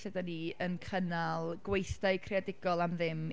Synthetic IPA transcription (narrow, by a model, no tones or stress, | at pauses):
ədaniənkʰənalˠɡ̥wejθdaɨkʰreadɪɡɔlˠamðɪm